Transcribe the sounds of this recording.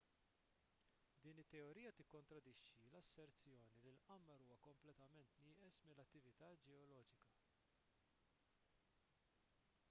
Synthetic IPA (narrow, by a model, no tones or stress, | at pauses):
d̪iːnɪt̪ːɛɔɾiːjɐt̪ɪkːɔnt̪ɾɐd̪ɪʃːilɐsːɛɾt͡sjɔːnililʔɐmːɐɾuːwɐkɔmplɛt̪ɐmɛnt̪nɪːʔɛsmɪlːɐt̪ːɪvɪt̪ɐːd͡ʒɛɔlɔːd͡ʒɪkɐ